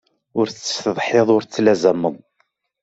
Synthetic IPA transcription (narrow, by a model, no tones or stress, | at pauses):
ʊɾːə̥st̪əðˤħeðˤʊɾt͡sːlæzæmːəðˤ